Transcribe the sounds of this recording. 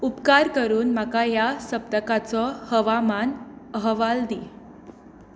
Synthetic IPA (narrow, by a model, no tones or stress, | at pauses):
upkaɾkəɾuːnm̤akajasəp̚t̪əkat͡sɔhəʋamanəɦʋald̪i